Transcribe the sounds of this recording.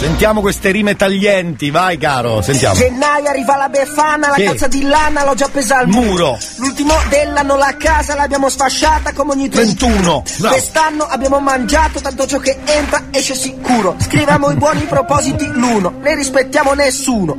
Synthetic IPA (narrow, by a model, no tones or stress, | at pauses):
sent̪jaːmokwest̪eɾiːmet̪aʎːɛnt̪ivajkaːɾo̰sent̪ja̰d͡ʒenːajarːiːvalabefanalakkatsːad̪ilanalɔd͡ʒːapːeːzalmuːɾolult̪imod̪elːanːolakaːzalabːjaːmosfaʃːaːt̪akomeɔɲːit̪ːɾent̪uːnowest̪anːoʔabːjaːmomand͡ʒaːt̪ot̪ant̪ot͡ʃɔkːeent̪ɾaɛʃːesikuːɾoskɾivamoibwɔːnipɾopɔːzit̪iluːnoneɾispet̪ːjaːmonesːuːno